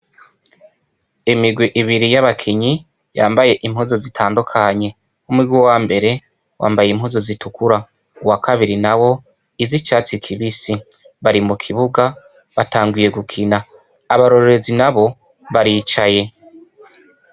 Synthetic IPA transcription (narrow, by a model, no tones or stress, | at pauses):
imiɡwiʔiβiɾijaβakʰiɲi | jaːmbaje̞ʔimhuzo̞zitʰaːndukʰaɲe̞ | umwiɡwiwaːmbe̞ɾe̞ | wʔa̰ːmbajem̥huzo̞zitukuɾa | uwakʰaβiɾinawo̞ | izit͡ʃaːt͡sikʰiβisi | βaɾimukʰiβuɡa | βataːŋɡwije̞ɡukʰinaː | βaɾo̞ɾeɾezinaβo̞ | βaɾiːt͡ʃaje̞